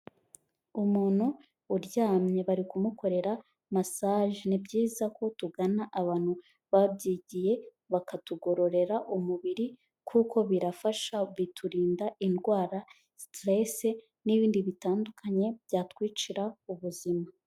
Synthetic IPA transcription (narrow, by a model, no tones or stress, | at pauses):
umuːn̥huː | ɾɟaːmɲe̞βaɾikumuko̞ɾe̞ɾa | masaːʒinibɟiːzako̞tuɡanaʔaβaːn̥hu | βabɟiːɟije̞ | βakatuɡo̞ɾo̞ɾe̞ɾaʔumuβiɾi | kʰuːkʰo̞βiɾafaʃaβitʰuɾiːndaʔinɡwaːɾa | stɾese | niβiːndiβitaːndukʰaɲe̞bjaːtwiːt͡ʃiɾauβuzima